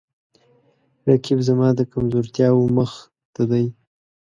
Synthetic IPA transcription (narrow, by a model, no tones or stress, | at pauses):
ɾakibzamɑd̪əkamzoɾt̪jɑwoməx | t̪ad̪aj